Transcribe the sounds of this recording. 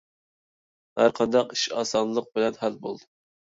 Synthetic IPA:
hæ̰ɾqʰɑnd̪ɑqi̥ʃɑːsɑnlˠəq̚bɪlɛnɦælbolˠd̪u

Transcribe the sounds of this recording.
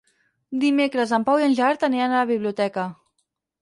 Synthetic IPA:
d̪imekɾəzəmpawiənʲʒaɾt̪əneənaləβ̞iβliut̪ɛkə

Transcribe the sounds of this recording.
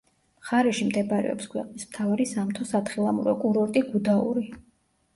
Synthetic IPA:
mχaɾɛʃimd̪ɛbɾɛ̰ɔ̰pskʰwɛqʼnismt̪ʰavaɾisamt̪ʰɔsat̪χilˠamuɾɔkʼuɾɔɾt̪ʼiɡud̪aṵɾi

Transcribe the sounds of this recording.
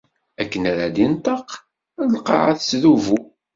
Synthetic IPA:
ækːənaɾad̪int̪ˤɑq | lqɑ̰ʕaθsðuvu

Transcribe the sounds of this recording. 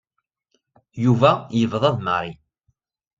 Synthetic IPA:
juvæjəvðˤɑðˤmə̰ɾi

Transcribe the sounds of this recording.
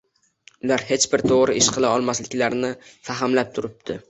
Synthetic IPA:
ʊlaɾhe̞t͡ʃbɪɾt̪ʰoʁɾɪʔɪʃqɨlˠaɒlˠmaslɪkʲlaɾnɪfaɦɪmlap̚t̪ʰʊɾɪp̚d̪̥ʰɪ

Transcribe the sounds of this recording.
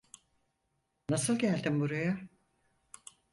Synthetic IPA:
nasɯlˠɟælʲd̪imbuɾaja

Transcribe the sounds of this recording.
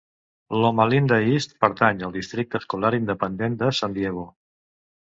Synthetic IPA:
lomalind̪əist̪pəɾt̪aɲəlˠd̪ist̪ɾik̚t̪əskulaɾind̪əpənd̪end̪əsand̪jeɣ̞o

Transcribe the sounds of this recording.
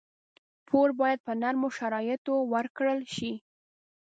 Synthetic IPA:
pʰoɾbɑjad̪̚pənaɾmoʃaɾɑjɪt̪owəɾkɽəlʃi

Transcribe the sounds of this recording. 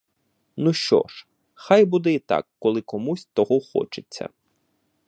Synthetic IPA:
nuʃt͡ʃɔ̰ʃ | xajbud̪ɛit̪ɑ̰kːɔlˠɪkɔmusʲt̪ɔɦɔxɔ̰t͡ʃet͡sʲːɐ̰

